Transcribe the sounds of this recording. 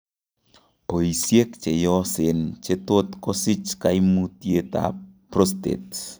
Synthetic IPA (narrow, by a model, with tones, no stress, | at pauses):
ʔo˨jisie˦k̚t͡ʃe˨jɔ˦se˨nt͡ʃe˦t̪o˦t̪ko˦si˦t͡ʃka˧jmu˧tje˧t̪a̰˨pɾo˦st̪ḛ˨t̪̚